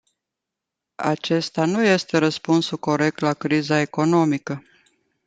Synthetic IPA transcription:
a̰t͡ʃe̞st̪anuje̞st̪e̞ɾəspunsuko̞ɾe̞k̚t̪lakɾizae̞ko̞no̞mikə

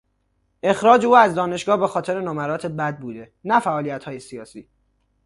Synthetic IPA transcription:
ʔe̞xɾɒːd͡ʒeuːæzd̪ɒːne̞ʃɡɒːhbe̞xɒːt̪ʰe̞ɾenɒːmæɾɒːt̪ʰe̞bæd̪̚buːd̪e̞ | næfæʔɒːlijæt̪hɒːjesijɒːsḭː

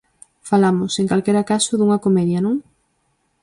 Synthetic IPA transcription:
falamʊseŋkalkeɾakasʊðuŋɐkomɛðjɐnõŋ

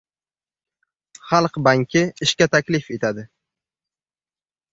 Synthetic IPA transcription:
χɑlˠqbaŋkʲʰɪɪʃkʲat̪ʰakʲlɪfe̞t̪ʰad̪ɪ

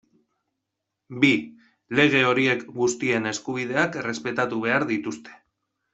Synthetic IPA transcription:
bi | le̞ɣ̞e̞o̞ɾie̞kɡust̪ie̞ne̞skuβ̞ið̞e̞akere̞spe̞t̪at̪uβ̞e̞aɾðit̪ust̪e̥

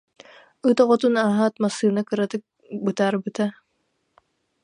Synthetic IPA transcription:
ɯt̪ɔʁɔt̪unaːɦaːt̪masːɯːnakɯɾat̪ɯk̚ | bɯt̪aːɾbɯt̪a

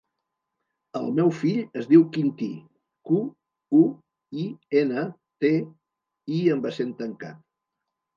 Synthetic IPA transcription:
ə̰lˠmɛwfiʎəzðiwkint̪i | ku | u | ienə | t̪e | iəmbəsent̪əŋka̰t̪̚

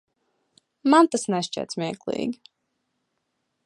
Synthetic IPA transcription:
mant̪asnɛst͡ʃɛ̰t̪smʲiɛklˠḭːɡʲi

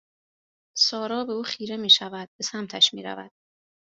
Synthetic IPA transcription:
sɒːɾɒːbe̞uːxiːɾe̞miːʃævæd̪̥̚be̞sæmt̪ʰæʃmḭːɾæ̰væ̰d̪̥

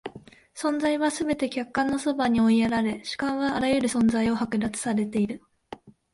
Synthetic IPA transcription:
sõ̞nd͡zaiβasɨbe̞t̪e̞kʲakːãnːo̞so̞baɲ̟io̞ieɾaɾe̞ɕi̥kãɰ̃βaːɾajɯ̟ɾɯ̟sõ̞nd͡zaio̞hakɯ̟d̪at͡sɨ̥saɾe̞t̪e̞iɾɯ̟

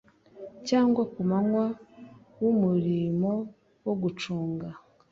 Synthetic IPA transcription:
caːŋɡwakumaŋwa | wumuɾimo̞ | woɡut͡ʃuːŋɡa

